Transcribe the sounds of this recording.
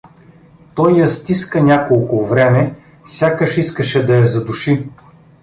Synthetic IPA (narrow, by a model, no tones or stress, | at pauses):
t̪ɔjːɐst̪iskənʲakolˠkʊvɾɛmɛ | sʲakəʃiskəʃɛd̪ɐɐzɐd̪uʃi